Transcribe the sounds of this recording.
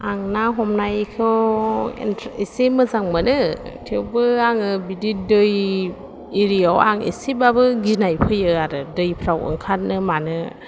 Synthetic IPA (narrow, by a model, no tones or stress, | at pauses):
aŋnaɦɔmnajkʰɯwḛntʰisemɯzaŋmanɯtʰewbɯaŋɯbididɯj | iɾiawa̰ŋḭsibabɯɡinajpʰɯjɯaɾɯdɯjpʰɾawɯ̰ŋkʰat̚nɯmanɯ